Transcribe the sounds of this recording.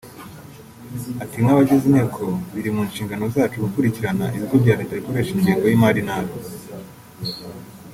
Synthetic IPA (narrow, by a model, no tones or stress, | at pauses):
atiŋŋaβaɟezineːkʰo̞βiɾimunʃiːŋɡano̞zaːt͡ʃuɡukuɾiciɾana̰ʔiβiɡobɟaːɾetaɾikoɾe̞ʃiɲɟiːŋɡo̞jimaɾinaɾo